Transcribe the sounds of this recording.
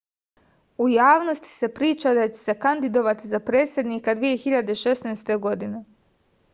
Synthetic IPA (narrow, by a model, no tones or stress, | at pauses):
ujaːʋno̞st̪i̥se̞pɾiːt͡ʃad̪at͡ɕe̥se̞kand̪id̪o̞ʋat̪izapɾe̞ːt̪sje̞d̪niːkad̪ʋije̞xiʎad̪eʃe̞snaːst̪e̞ɡo̞d̪ine̞